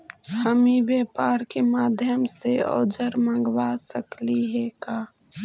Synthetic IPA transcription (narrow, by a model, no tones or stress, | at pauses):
həmibjeːpaːɾkemaːd̪ʱjəmseɔ̰ːd͡ʒəɾmə̃ŋɡwasəkliɦekaː